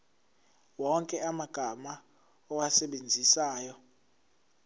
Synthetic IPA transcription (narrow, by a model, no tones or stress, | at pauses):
wɔŋkʼɛamaɡ̥ʱama | ɔwasɛɓend͡zʱisaːjɔ